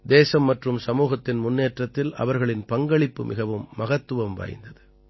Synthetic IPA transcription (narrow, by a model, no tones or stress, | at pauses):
d̪eːsɐmːɐʈrɯmsɐmuːɣɐt̪ːɪnmʊnːeːʈrɐt̪ːɪlɐ̰ʋɐɾɣɐɭɪnpɐŋɡɐɭɪpːɯmʔɪɣɐʋɯmːɐɣɐt̪ːɯʋɐmʋa̰ːjɪ̰nd̪ɐðɯ